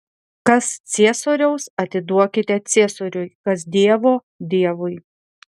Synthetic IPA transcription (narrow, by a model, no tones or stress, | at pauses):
kɐst̪sʲiɛsoːɾʲɛʊsɐt̪ʲɪd̪uɔkʲɪt̪ʲɛt̪sʲeːsoːɾʲʊjkɐsd̪ʲiɛʋoː | d̪ʲiɛʋʊɪ